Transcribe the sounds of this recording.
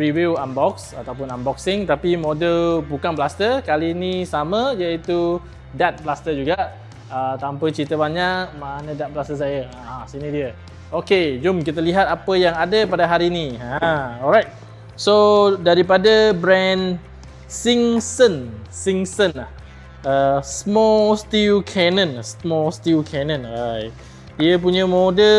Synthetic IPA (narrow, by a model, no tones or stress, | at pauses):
ɹiwiwambɔksat̪awp̬ʊnambɔk̚sɪŋt̪apimodəlbukanplast̪əkalinisamə̃d͡ʒait̪u | dat̪̚blast̪əd͡ʒuɡaʔ | ət̪ampət͡ʃit̪əbaɲaʔk̚manə̃dat̪̚blast̪əs̬ajəasinidiə | oked͡ʒʊmkit̪əliɦat̪apəjaŋadəpadaɦaɾiniaɔɾajt̪̚ | sodaɾipadabɾɛn | siŋsənsiŋsənlah | əsəmɔst̪iukʰɛnə̃nsmɔst̪iukʰɛnə̃naj | diəp̬uɲəmodə